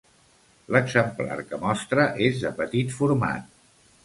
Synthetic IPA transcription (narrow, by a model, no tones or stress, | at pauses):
ləɡzəmpla̰ɾkəmɔst̪ɾəʔezðəpət̪it̪fuɾma̰t̪̚